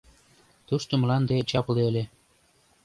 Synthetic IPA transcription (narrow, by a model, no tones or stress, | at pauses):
t̪uʃt̪omlɑnd̪et͡ɕɑpleelʲe